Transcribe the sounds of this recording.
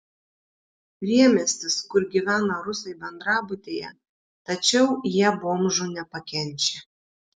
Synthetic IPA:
ɾʲiɛmʲɛsʲt̪ʲɪskʊɾɡʲiʋʲæːnɐɾʊsɐɪbʲɛnd̪ɾɑːbʊt̪ʲeːjɛ̰ | t̪ɐt͡ʃʲɛʊjiɛboːmʒʊnʲɛpɐkʲɛnʲt͡ʃʲe

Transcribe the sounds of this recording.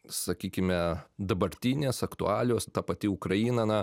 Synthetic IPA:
sɐkʲiːkʲɪmʲɛd̪ɐbɐɾʲt̪ʲiːnʲeːsɐkt̪ʊɑːlʲɪoːst̪ɑpɐt̪ʲɪʊkɾɐiːnɐnɐ

